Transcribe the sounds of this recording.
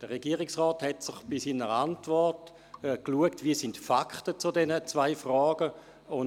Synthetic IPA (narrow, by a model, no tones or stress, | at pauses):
d̥əʁeɡiəʁɪksʁɔːthɛtsɪχb̥isiːnəʁantvɔʁt | kluəktviəsɪntfakχtət͡sudɛnət͡svaɪfrɔːɡ̥ə | ʊn